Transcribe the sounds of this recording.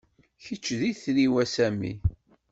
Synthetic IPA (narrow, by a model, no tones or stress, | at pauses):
çət͡ʃːðiθɾiwæsæmḭ